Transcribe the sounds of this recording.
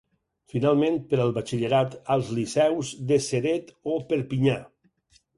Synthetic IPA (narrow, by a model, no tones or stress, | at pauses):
finalˠmẽn̚pəɾəlˠβat͡ʃiʎəɾat̪əlˠzlisɛwzðəseɾet̪opəɾpiɲa